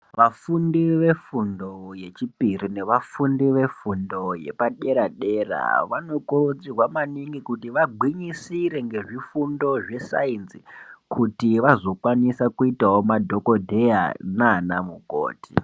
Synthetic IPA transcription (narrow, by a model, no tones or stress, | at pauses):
ʋafundiʋe̞fundo̞je̞t͡ʃipirine̞ʋafundiʋe̞fundo̞je̞̰paɗe̞ɾaɗe̞ra̰ʋano̞kurod͡zirwamaniŋɡikutiʋaɡʱwiɲisiɾe̞ŋɡe̞ʐifundo̞ʐe̞sa̰inzikʰutiʋazo̞kwanisakuitawomadʱo̞ko̞dʱe̞ja̰nanamuko̰ːti̥